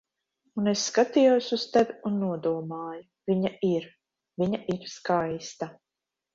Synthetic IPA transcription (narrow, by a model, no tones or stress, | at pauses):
unesːkat̪ijusust̪evʲunːuɔd̪uɔmaːjuv̥ʲiɲaiɾ | vʲiɲaʔiɾskajst̪a